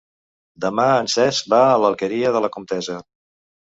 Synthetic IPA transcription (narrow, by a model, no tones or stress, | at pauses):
d̪əmaənsɛzbaələlˠkəɾiəðələkumt̪ɛzə